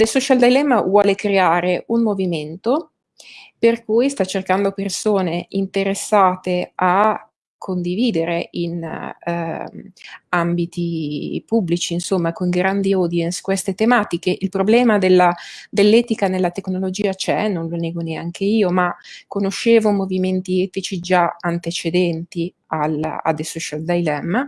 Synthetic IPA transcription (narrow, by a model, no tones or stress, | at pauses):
d̪elsɔt͡ʃald̪elɛmːavwɔːlekɾeaːɾeʔunmoviment̪o | perkuːjst̪at͡ʃːerkand̪opersoːneint̪eɾesːaːt̪ea | kʰːond̪iviːd̪eɾein | ambit̪ipubːlit͡ʃiːnsomːakoŋɡɾand̪iɔːd̪jɛnskwest̪et̪emaːt̪ikeʔilpɾoblɛːmad̪elːad̪elːɛːt̪ikanelːat̪eknolod͡ʒiːat͡ʃɛnõnlonɛːɡoneaŋkeiːomakːonoʃeːvomoviment̪iɛːt̪it͡ʃid͡ʒaant̪et͡ʃed̪ɛnt̪i | al̰a̰d̪esɔʃald̪ajlɛmː